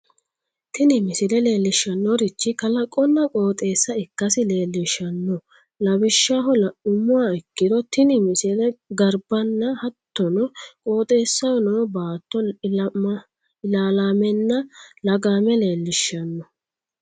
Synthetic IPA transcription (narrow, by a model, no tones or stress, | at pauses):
t̪ɪnɪmɪsɪlɛle̞ːlːɪʃːɐnːɔɾɪt͡ʃːɪkɐlɐkʼːɔnːɐkʼo̞ːt̪ʼe̞ːsːɐɪkːɐsɪle̞ːlːɪʃːɐnːɔ | lɐbɪʃːaːɦɔlʊmʊwaɪkːɪd̪ɔt̪ɪnɪmɪsɪlɛɡɐɾbɐnːɐhɐt̪ːɔnɔkʼoːt̪ʼe̞ːsːɐwɔnoːbaːt̪ːɔɐ | ɪlaːlaːmɛnːɐlɐɡaːmɛle̞ːlːɪʃːɐnːɔ